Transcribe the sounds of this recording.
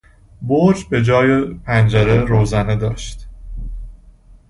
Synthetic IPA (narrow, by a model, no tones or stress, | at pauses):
boɾd͡ʒbe̞d͡ʒɒːjepʰænd͡ʒæɾeɾoːzæned̪ɒːʃt̪